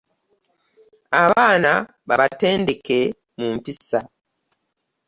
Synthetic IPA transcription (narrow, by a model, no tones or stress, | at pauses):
aβaːna | βaβate̞ːnde̞ke̞ | muːmpisa